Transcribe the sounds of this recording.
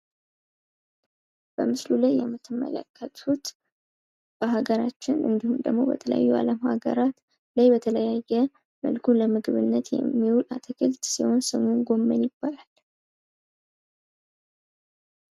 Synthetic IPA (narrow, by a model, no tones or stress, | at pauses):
b̥əmɨslulajːɛmːɨt̪ʰːɨmːə̰lə̰kʰːət̪ʰut̪ | b̥əɦaɡəɾat͡ʃːɪnʔɨ̰nd̪ihumd̪ə̰ɡmo̞̰bə̰t̪ʰələ̰ja̰jːua̰ləmha̰ɡə̰ɾat̪ | lajbət̪ʰələjajːɛ | mə̰lkʰuləmɨɡɨβɨnːət̪jɛ̰mːiwulat̪ʰəkʰəlt̪siho̞nsɨmunɡo̞mːənjɪbːalal